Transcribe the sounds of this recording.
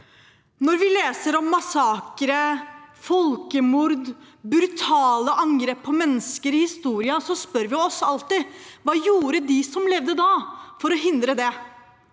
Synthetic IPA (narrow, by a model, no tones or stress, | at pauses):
nɔɾʋɪleːsəɾɔmːɑsɑːkɾəfɔlkəmʊɾd̪bɾʉt̪ʰɑːləʔɑŋɡɾeːpʰːɔmɛnːəskəɾɪhɪst̪uːɾɪɑsɔspœɾʋɪɔsɑlt̪ɪʋɑːjuːɾəd̪ɪsɔmlɛʋd̪əd̪ɑːfɔɾɔɦɪnd̪ɾəd̪ɛ